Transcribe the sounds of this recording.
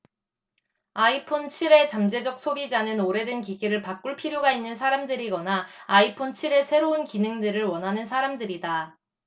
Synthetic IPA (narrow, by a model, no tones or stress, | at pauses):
aipʰont͡ɕʰiɾe̞t͡ɕamd͡ʑe̞d͡ʑʌk̚s͈ʰobid͡ʑanɯnoɾe̞dɯnkiɡiɾɯɭpak͈uɭpʰiɾjoɡainːɯns̬ʰaɾamdɯɾiɡʌnaːipʰont͡ɕʰiɾe̞sʰe̞ɾounkinɯŋdɯɾɯɭwʌnɦanɯnsʰaɾamdɯɾida